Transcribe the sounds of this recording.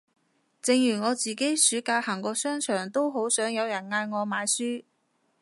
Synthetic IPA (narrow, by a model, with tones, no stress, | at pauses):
t͡sɪ˧ŋjyː˨˩ŋɔː˨˧t͡siː˨˩ke˨˥jsyː˨˥kaː˧haː˨˩ŋkɔː˧sœː˥ŋt͡ʃʰœː˨˩ŋt̪o˥wɦo˨˥wsœː˨˥ŋjɐ˨˧wjɐ˨˩nŋaː˧jŋɔː˨˧maː˨˧jsyː˥